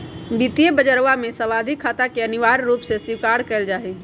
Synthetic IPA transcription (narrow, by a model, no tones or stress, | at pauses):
bit̪ijebəd͡ʒəɾʋamẽsəʋaːd̪ʱikʰːaːt̪akeəniʋaːɾːuːpsesiʋkaːɽkɛɪld͡ʒaːɦe